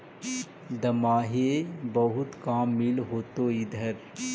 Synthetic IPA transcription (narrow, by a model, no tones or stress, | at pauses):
d̪ɐmaːɦebɐɦʊt̪kaːmːɪlɦoːt̪oɪd̪ʱəɾ